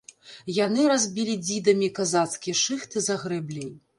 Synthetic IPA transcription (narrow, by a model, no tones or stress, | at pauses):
janɨɾazʲbʲilʲid͡zʲid̪ɐmʲikazat̪skʲijɛʂɨxt̪ɨzɐɣɾɛblʲij